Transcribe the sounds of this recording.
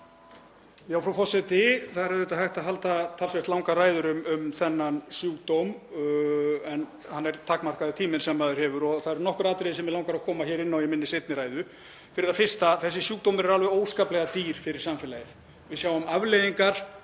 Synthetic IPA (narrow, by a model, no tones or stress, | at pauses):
jaːwfɾawfɔsɛt̪ɪθaðɾɛðɪt̪aɦajht̪aɦalt̪at̪ʰaːlsvɛht̪lawŋkaɾaːjðʏɾʏmʏmθɛnːansjuːkt̪owm | ɛn | hanːɛɾt̪ʰaːkmar̥kaðɪt̪ʰiːmɪnsɛmːaðʏɾ̥hɛːvʏɾɔθaðɛɾnɔhkʏɾaːt̪ɾeðɪsɛmvɪðlawŋkaɾakʰɔːmaçɛːɾɪnːawjɛmɪnːɪsejt̪nɪɾaːjðʏ | fɪɾɪɾðafɪr̥st̪aθɛs̬ːɪsjuːkt̪owmɪɾɛɾalvɛoːwskaːplɛɣat̪iːɾ̥fɪɾɪɾ̥samfɛlajɪθ | vɪðsjaːwʏmavlejðiŋkaɾ̥